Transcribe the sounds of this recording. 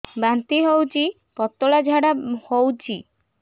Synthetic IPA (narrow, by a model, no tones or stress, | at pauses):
bant̪iɦowt͡ɕi | pɔt̪ːoɭad͡ʒʱaɽahowt͡ɕʰi